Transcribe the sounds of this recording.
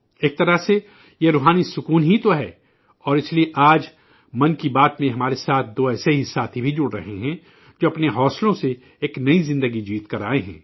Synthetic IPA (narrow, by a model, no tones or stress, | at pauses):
eːk̚t̪ɐɾəɦse | jeɾoːɦaːnisʊkuːnɦit̪oɦɛ̰ː | ɔːɾɪslieʔaːd͡ʒ | mɐnkibaːt̪mẽɦɐmaːɾesaːt̪̚ʰd̪oːɛːseɦisaːt̪ʰɦibʱid͡ʒʊɽɾɐ̰ɦeɦɛ̃ | d͡ʒoːɐpneɦɔːslõse | eːknɐizɪ̃nd̪əɡid͡ʒiːt̪kɐɾa̰ːeɦɛ̰̃ː